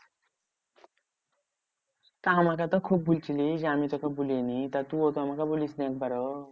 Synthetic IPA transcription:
t̪aɦamakat̪ɔkʰub̚ːult͡ʃilid͡ʒamit̪ɔkabulenit̪at̪uot̪ɔɦamakabulisniek̚baɾɔ

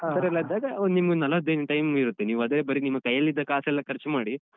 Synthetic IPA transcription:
t̪ɐɾɛlːɐd̪ːaːɡɐonimɐɡunɐlɐɐd̪eːnʈɐjmiɾut̪ːeniːʋuɐd̪ɐɾeːbɐɾinimɐɡkɐjːɐlːid̪ːɐkaːsɛlːɐkʰɐɾt͡ʃumaːɽi

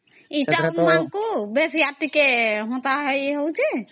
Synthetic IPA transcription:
iəmmaŋkobesjat̪ikeɦõt̪aɦɛɦəwt͡ʃʰe

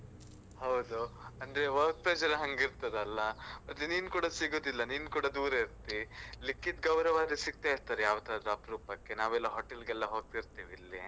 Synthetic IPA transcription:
hɐwd̪uɐnd̪ɾeʋɐɾk̚pɾed͡ʒɐɾɐɦɐŋɡiɾt̪ɐd̪ɐlːɐɐt̪ːeniːnkuːɽɐsiɡoːd̪ilːɐniːnkuːɽɐd̪uːɾɐiɾt̪ilikːit̪ɡɐwɾɐʋaːɾisiɡ̚t̪aːjiɾt̪aːɾejaːʋt̪aːd̪ɾuɐpɾuːpɐkːe̞naːʋɛlːɐɦoːʈelɡɛlːɐɦo̞ːɡ̚t̪iɾt̪iːʋilːi

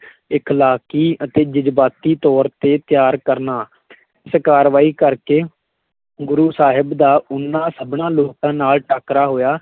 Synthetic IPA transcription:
ɪkʰlaːkiːət̪eːd͡ʒɪd͡ʒbaːt̪iːt̪ɔːɾt̪eːt̪ɪjaːɾkəɾnaː | ɪskaːɾʋaːiːkəɾkeː | ɡʊɾuːsaːɦɪbd̪aːʊnːãːsəbɳãːloːkãːnaːlʈaːkɾaːɦoːjaː

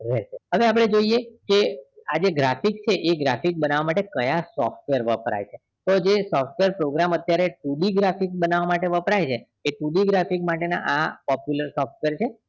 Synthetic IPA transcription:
ɾeʃeɦəʋeap̬ɽ̃ed͡ʒoijekead͡ʒeɡɾafikt͡ʃʰeʔeɡɾafik̚bənaʋamaʈekəjasɔfʈʋeəɾʋəpɾa̰jt͡ʃʰe | t̪od͡ʒesɔfʈʋeɾpɾoɡɾamət̪jaɾeʈuɖiɡɾafikbənaʋamaʈeʋəpɾajt͡ʃʰeː | ʈuɖiɡɾafikmaʈena̰ʔapɔpjuləɾsɔfʈʋeɾt͡ʃʰe

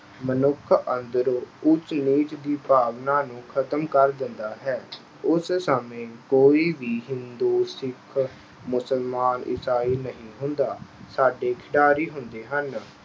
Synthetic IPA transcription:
mənʊkʰənd̪əɾoːʊt͡ʃniːt͡ʃd̪iːpaːʋnaːnũːkʰət̪əmkəɾd̪ɪnd̪aːɦɛː | ʊssəmẽːkoːiːʋiːɦɪnd̪oːsɪkʰ | mʊsəlmaːnɪ̰saːiːnəɦĩːɦʊnd̪aːsaːɖeːkʰɪɖaːɾiːɦʊnd̪eːɦən

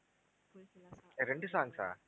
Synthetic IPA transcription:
ɾeɳɖɯsaːŋsa̰ː

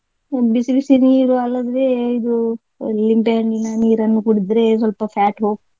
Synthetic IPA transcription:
bisbisiniːɾuɐlːɐd̪ɾeid̪u | limpeɦɐɳɖinɐniːɾɐnːukuɽid̪ɾesɐlpɐfʰɛːʈɦoːɡ̚

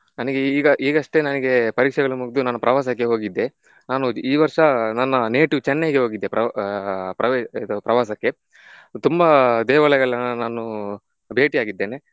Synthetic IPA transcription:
nɐnɛɡeiːɡɐʔiːɡɐʂʈe̞nɐnɛɡe̞pɐɾiːkʂɛɡɐɭumuɡd̪unɐnːɐpɾɐʋaːsɐkːe̞ɦo̞ːɡid̪ːe̞ | naːnuiːʋɐɾʂɐnɐnːɐneːʈiʋt͡ʃɛnːɐɡeɦoːɡid̪ːe̞pɾɐ | pɾɐʋd̪upɾɐʋaːsɐkːe̞ | t̪umbɐd̪ɛːʋɐlɐjɐɭːɐnɐnaːnu | bʱe̞ːʈijaːɡid̪ːeːne̞

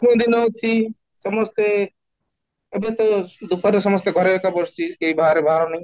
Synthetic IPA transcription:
mõd̪inɔt͡ʃʰi | sɔmɔst̪e | ebet̪ɔd̪upat̪ɔsɔmɔst̪eɡʱɔɾebekabɔst͡ʃʰikeibaɦɾebʱaɾɔnaj̃

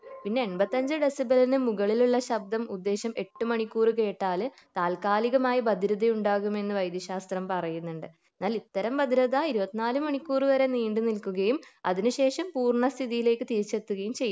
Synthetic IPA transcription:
pinːe̞ːnbɐt̪ːɐɲd͡ʑɨɖesibɐlɐnɨmuɣɐɭiluɭːɐɕɐb̚d̪ɐmud̪ːe̞ːɕɐme̞ʈːɨmɐɳikːuːrɨke̞ːʈːaːl | t̪aːlkaːliɣɐmaːjɐbɐd̪ʱiɾɐd̪ɐjuɳɖaːɣume̞nːɨʋɐjd̪jɐɕaːst̪rɐmpɐrɐjunːuɳɖɨenːaːlit̪ːɐɾɐmbɐd̪ʱiɾɐðɐiɾubɐt̪ːinaːlumɐɳikːuːrɨʋɐɾe̞niːɳɖɨnilkuɣɐjumɐðinɨɕe̞ːʂɐmpuːrɳɐst̪ʰiðijile̞ːkːɨt̪iɾit͡ɕːet̪ːuɣɐjumt͡ɕe̞jː

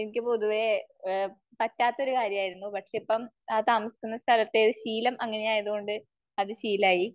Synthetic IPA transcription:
enikʲːɨpo̞ðuʋe̞ | pɐtːaːt̪ːɐo̞ɾukaːɾjɐmaːjiɾunːupɐʈʂe̞ipːɐm | aːt̪aːmɐsi̥kʲːunːɐst̪ʰɐlɐt̪ːe̞ɕiːlɐmʔɐŋːɐnejaːjɐðuɣo̞ɳɖɨ | ɐðɨɕiːlaːji

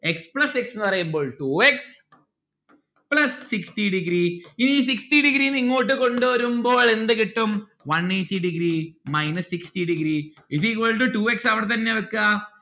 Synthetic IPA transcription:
ekspɭɐseksenːɨpɐrɐjumbo̞ːɭʈuːeks | plɐsːikstiɖiɡɾiiniiːs̬iksʈiɖiɡɾiniŋːoːʈːɨko̞ɳɖuʋɐɾumbo̞ːɭe̞nd̪ɨkiʈːum | ʋɐnːejtːiɖiɡɾiːmɐjnɐsːikstiɖiɡɾi | is̬iːkoɭʈːɨʈuːeksɐʋɐɽt̪ɐnːeɐɭkːa

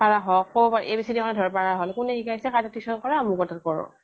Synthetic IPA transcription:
paɹaɦɔkobɔpaɹɛʔebisidɛkʰɔnɛdʱɔɹpaɹaɦɔlkʊnɛikaisɛkaɹtɔtʰiksɔnkɔɹamukɔtatkɔɹɔ̰̃

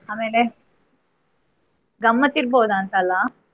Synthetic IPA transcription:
aːmeːle | ɡɐmːɐt̪iɾboːd̪aːnt̪ɐːlːa

